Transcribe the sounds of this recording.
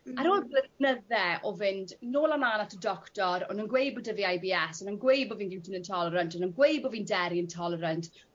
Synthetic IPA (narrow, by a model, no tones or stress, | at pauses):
aɾoːlblənəðɛʔɔvɪndnoːlˠamlaːnatʰədɔktɔɾɔ̰nənɡwejbɔdəviajbiːɛsɔnənɡwejbɔviːnɡɪwtʰɪnəntʰɔlˠəɾəntɔnənɡwejbɔviːndɛɾiəntʰɔlˠəɾənt